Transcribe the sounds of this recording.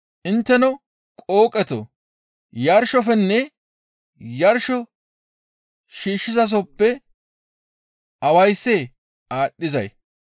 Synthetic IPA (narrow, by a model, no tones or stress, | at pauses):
ʔɪnt̪ːɛnɔ | kʼoːkʼɛt̪ɔ̰ | jɐɾʃɔfɛnːɛ | jɐɾʃɔ | ʃiːʃːɪzɐs̬ɔpːɛ | ʔɐwɐjsːe | ʔaːɗːɪzɐ̰j